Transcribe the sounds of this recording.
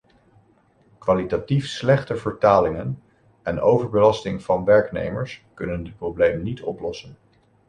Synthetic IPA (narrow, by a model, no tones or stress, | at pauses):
kʋaːlitatifslɛχtəvəɹtaːlɪŋən | ɛnowvəɹbəlɑstɪŋv̥ɑnʋɛɹknḛjməɹskɵnəndɪt̚prowblejmnitʰɔplɔsən